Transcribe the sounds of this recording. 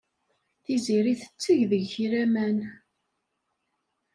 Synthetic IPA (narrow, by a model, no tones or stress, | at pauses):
θiziɾiθə̥t͡sːəʝðəʝçɾæmæn